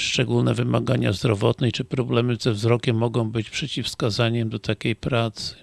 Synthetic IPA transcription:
ʂt͡ʂɛɡulnɛvɘma̰ɡaɲa̰zd̪ɾɔvɔt̪nɛjt͡ʂɘpɾɔblɛmɘzɛvzɾɔkʲɛmːɔɡɔ̃w̃bɘt͡ɕpʂɛt͡ɕifskazaɲɛmd̪ɔt̪akʲejpɾat̪sɘ̥

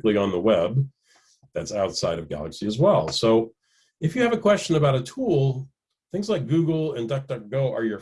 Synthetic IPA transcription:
kliə̃nðəwɛb̚ | ðætsaʊtsaɪɾʌvɡæ̰lˠəksiɨzwɛlˠsoʊ | ɨfjɨːvɨkʰw̥ɛst͡ʃɨ̃nɨbaʊɾɨtʰulˠ | θɪ̃ŋzlaɪk̚ɡ̥ʉɡl̩ˠə̃ndʌk̚d̥ʌk̚ɡ̥oʊʔə˞jə˞

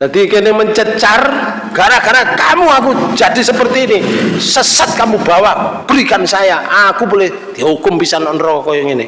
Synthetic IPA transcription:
d̪̥at̪ikenɪməɲt͡ʃət͡ʃar | ɡ̥aɾakarnakamuakud͡ʒadisəpərt̪iːnisəsat̪̚kamubawab̥əɾikansajaʔakubolɛhd̪̥iahukʊmpisanɔnɾɔkɔjɔŋinɪ

